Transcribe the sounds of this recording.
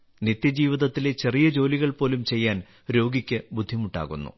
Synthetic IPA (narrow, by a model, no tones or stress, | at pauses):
nit̪jɐd͡ʑiːʋiðɐt̪ːilet͡ɕe̞rijɐd͡ʑo̞ːliɣɐɭpo̞ːlumt͡ɕe̞jːaːn | ɾo̞ːɡikʲːɨbud̪ʱːimuɳɖa̰ːɣunːṵ